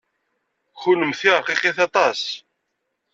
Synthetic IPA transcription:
xuləmθiʁqiqeθɑt̪ˤɑs

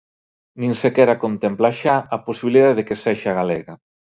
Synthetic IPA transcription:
nĩnsekɛɾakont̪emplaʃaaposiβiliðaððekeseʃaɣalɛɣa

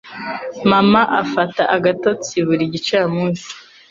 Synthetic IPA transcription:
mamaʔafataʔaɡato̞t͡siβuɾiɟit͡ʃaːmuːnsi̥

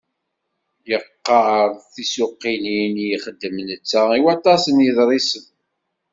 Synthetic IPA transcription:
jəqːəɾˤθisʊqːininjiχəd̪ːəmnət͡sːæiwɑt̪ˤɑsənjəðɾˤisən

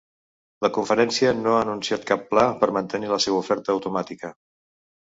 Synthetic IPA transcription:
ləkuɱfəɾɛnsiənoaːnunsiat̪kapːlapəɾmənt̪əniləseβəufɛɾt̪əːwt̪umat̪ikə

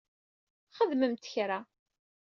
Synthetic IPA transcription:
χəðməmt̪ə̥çɾa

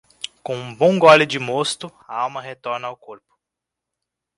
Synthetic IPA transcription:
kõũbõw̃ɡɔlɪd͡ʒɪmost̪ʊɐawmɐɦet̪ɔɾnɐaʊkoɾpʊ̥

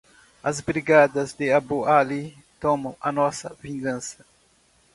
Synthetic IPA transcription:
ɐzbɾiɡad̪ɐzd̪ɪabuali | t̪õmɐ̃w̃ɐnɔsɐvĩŋɡɐ̃sɐ̥

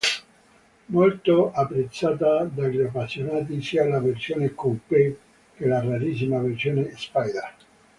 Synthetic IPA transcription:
molt̪oapːɾet̪sːaːt̪ad̪aʎiapːasːjonaːt̪̬isiːalaversjoːnekompe | kelaraɾis̬imaversjoːnespajd̪a

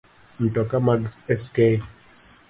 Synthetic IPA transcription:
n̩tɔkamaɡsɛske

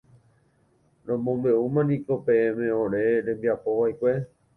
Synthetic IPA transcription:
ɾõmõmbe̞umãnĩko̞pẽẽmẽõɾe̞ɾẽ̞mbiapo̞ʋaikʷe̞

